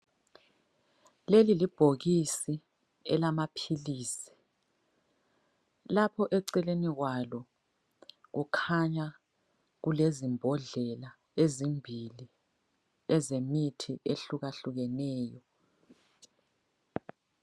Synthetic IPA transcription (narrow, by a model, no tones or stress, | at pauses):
lelilib̥ʱoɣisi | ɛlamapʰiliːsi̥ | lapʰɔʔɛǀɛleniɣwalɔ | ɣukʰaɲa | ɣulezimbʱɔɮɛla | ezimbʱili | ɛzemitʰiʔeɬuɣaɬuɣɛnɛːjɔ